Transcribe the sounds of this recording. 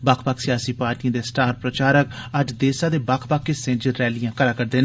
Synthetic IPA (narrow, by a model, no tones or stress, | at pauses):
baːkʰpaːksɪjaːsiːpaːɾʈijãːd̪eːsʈaːɾpɾət͡ʃaːɾək̚əd͡ʒd̪eːsãːd̪eːbaːkʰpaːkːesẽːd͡ʒəlːɛːlijãːkəɾaːkəɾd̪eːn